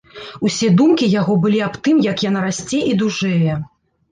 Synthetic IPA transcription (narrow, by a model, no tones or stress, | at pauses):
usʲɛd̪umkʲijaɣɔbɨlʲiapt̪ɨmjɐkjanaɾasʲt͡sʲɛʔid̪uʐɛjɛ